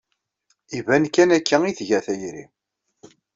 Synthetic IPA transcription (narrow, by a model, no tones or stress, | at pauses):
ivænkːænækːæiθʝæθæjɾḭ